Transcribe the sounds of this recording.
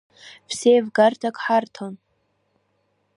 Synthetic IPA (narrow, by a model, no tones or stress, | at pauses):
psejvɡartʰakʼħartʰon